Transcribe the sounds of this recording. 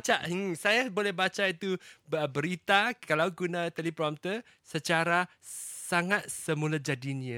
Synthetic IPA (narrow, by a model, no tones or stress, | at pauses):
t͡ʃaʔsajabolɛhbat͡ʃait̪uəbəɾit̪akalawɡunãt̪əlipɾɔmt̪ə | sət͡ʃaɾa | saŋat̪̚səmulad͡ʒadiniə